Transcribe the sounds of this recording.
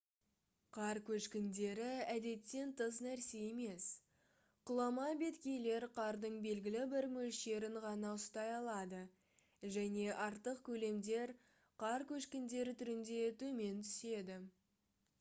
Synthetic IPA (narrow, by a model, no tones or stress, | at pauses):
qʰɑɾkʲʰɵʃkʲɪnd̪e̞ɾɪæd̪e̞t̪ːe̞nt̪ʰəznæɾse̞je̞me̞s | qʰʊlˠɑmɑbe̞t̪kʲe̞jle̞ɾqʰɑɾd̪əɴbe̞lɡʲɪlɪbɪɾmɵlʃe̞ɾɪɴʁɑnɑʊst̪ɑjɑlˠɑd̪ə | ʒæne̞ʔɑɾt̪əqkʲʰɵle̞md̪e̞ɾ | qʰɑɾkʲʰɵʃkʲɪnd̪e̞ɾɪt̪ʰʏɾɪnd̪e̞t̪ʰɵme̞nt̪ʰʏse̞d̪ɪ